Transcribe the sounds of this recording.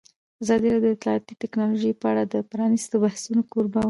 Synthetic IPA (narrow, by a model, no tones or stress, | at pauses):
azɑd̪iɾɑd̪oɪt̪lɑɑt̪it̪ɪknɑloʒəjpəaɽad̪əpɾɑnist̪obahsunokoɾbaw